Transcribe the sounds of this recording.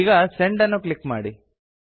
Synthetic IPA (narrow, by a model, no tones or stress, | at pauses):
ɡɐseɳɖɐnːuklikmaːɽi